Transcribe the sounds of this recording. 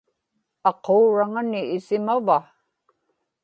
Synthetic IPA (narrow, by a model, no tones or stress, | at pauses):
ɑqoːɻaŋanɪːsɪmava